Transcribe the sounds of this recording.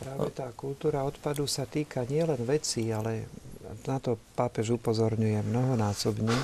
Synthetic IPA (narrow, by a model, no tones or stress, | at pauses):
pɾaːʋɛt̪aːkult̪uːɾaɔt̪pad̪usat̪iːkʰaɲɪɛlɛnʋɛt͡sialɛnat̪ɔpaːpɛʒupɔzɔɾɲujɛmnɔɦɔnaːsɔbɲɛ